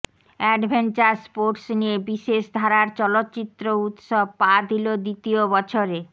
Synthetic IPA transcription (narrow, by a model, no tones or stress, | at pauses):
ɛɖbʱent͡ɕaɾspoɾʈsniebiʃeʃd̪ʱaɾaɾt͡ɕɔlot̪ːt͡ɕit̪ːɾout̪ʃob̚pad̪ilod̪it̪iobɔt͡ɕʰoɾe